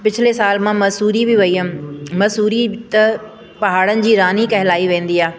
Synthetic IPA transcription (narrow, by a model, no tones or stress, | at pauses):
pɪt͡ɕʰɪlesaːlmãmɐsuːɾibɪʋɐiɦəmɐsuːɾit̪ɐ | pɐɦaːɽənɪ̆d͡ʑiːɾaːnikɐɦɪlaːiʋẽːn̆d̪iːaː